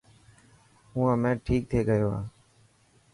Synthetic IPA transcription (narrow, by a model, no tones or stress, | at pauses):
ʊːãːmẽːʈʰiːk̚t̪ʰeːɠəjoːa̰ː